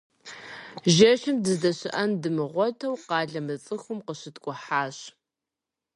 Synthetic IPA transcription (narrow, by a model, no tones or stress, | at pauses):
ʒɐʃɪmdɨzdɐɕɪʔɐndɨmɨʁʷɔtʰɐwqɑːɮɐmɨt͡sʼɨxʊmqəɕɪtkʷʼɔħaːɕ